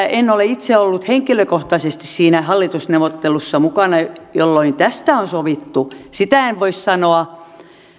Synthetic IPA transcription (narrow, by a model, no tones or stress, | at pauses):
enːoleit̪seolːut̪heŋkiløkoht̪ɑsest̪issiːnæhɑlːit̪usneʋot̪ːelusːɑmukɑnɑjolːoint̪æst̪æonsoʋit̪ːusit̪æeʋʋoissɑnoɑ